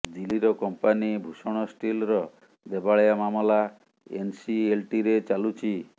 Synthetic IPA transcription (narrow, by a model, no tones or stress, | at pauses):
d̪iliɾɔkɔmpanibʱusɔɽ̃ɔsʈilɾɔ | d̪ebaɭjamamɔla | ḛnsielʈiɾet͡ʃalut͡ʃʰi